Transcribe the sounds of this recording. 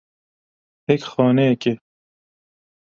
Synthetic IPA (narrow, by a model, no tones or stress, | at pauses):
hekxɔːneeke